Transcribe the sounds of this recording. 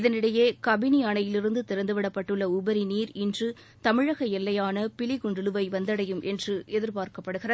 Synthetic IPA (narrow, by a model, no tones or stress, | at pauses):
ɪðɐnɪɽɐjeːkɐbɪniɐɳɐjɪlɪɾɯnd̪ɯt̪ɪɾɐnd̪ɯʋɪɽɐpːɐʈːɯɭːɐʊbɐɾiniːɾɪndrɯ | t̪ɐmɪɻɐɣɐɛlːɐjaːnɐpɪlɪɣʊɳɖɯlɯʋɐɪʋɐnd̪ɐɽɐjɯmʔɛndrɯʔɛðɪɾpaːɾkɐpːɐɽɯɣɪrɐ